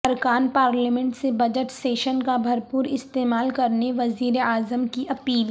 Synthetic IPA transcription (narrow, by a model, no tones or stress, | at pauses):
ɐɾkaːnpaːɾləmɛ̃ɳʈsebɐd͡ʒəʈseːʃənkabʱɐɾpuːɾɪst̪eːmaːlkɐɾneʋɐziːɾeaːzəmkiʔɐpiːl